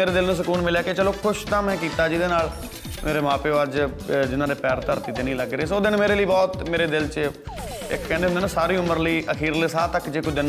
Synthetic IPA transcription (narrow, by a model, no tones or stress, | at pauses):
eːɾeːd̪ɪlnũːs̬əkuːnmɪljaːkeːt͡ʃəloːkʰʊʃt̪ãːmɛ̃ːkiːt̪aːd͡ʒɪd̪eːnaːl | meːɾeːmãːpeːoəd͡ʒ | d͡ʒɪnãːd̪eːpɛːɾt̪əɾt̪iːt̪eːnĩːləɡɾeeːsoːd̪ɪnmeːɾeːləiːbɔːt̪meːɾeːd̪ɪlt͡ʃ | ɪ̰kkɛ̃ːnd̪eneːñːsaːɾiːʊməɾləiːʔəkʰiːɾleːsaːt̪əkd͡ʒeːkʊt͡ʃʰd̪ɪn